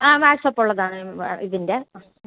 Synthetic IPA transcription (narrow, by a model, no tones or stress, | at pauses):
aːʋaːsɐpːuɭːɐðaːɳɨiðinde